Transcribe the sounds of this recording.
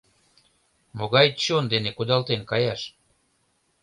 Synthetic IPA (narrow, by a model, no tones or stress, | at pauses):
moɣɑj̪t͡ɕond̪enekud̪ɑlt̪enkɑjɑʃ